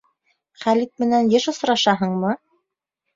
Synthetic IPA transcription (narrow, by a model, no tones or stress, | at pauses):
χælit̪̚mɘ̆nænjɘʃŏsɾɑʃɑɦɤɴmɤ